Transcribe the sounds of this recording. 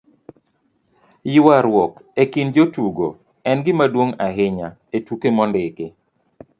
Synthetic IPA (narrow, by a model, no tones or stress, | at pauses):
jɪwaɾwɔkekind͡ʒotuɡo̰ | ɛnɡɪmadwoŋaɦɪɲa | etukemɔndɪke